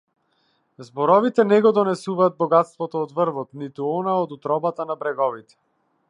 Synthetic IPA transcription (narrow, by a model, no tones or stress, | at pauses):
zbɔɾɔvit̪ɛnɛɡɔd̪ɔnɛsuvaːd̪̚bɔɡat̪st̪vɔt̪ɔːd̪vɾvɔt̪nit̪uɔnaɔd̪ut̪ɾɔbat̪anabɾɛɡɔvit̪ɛ̥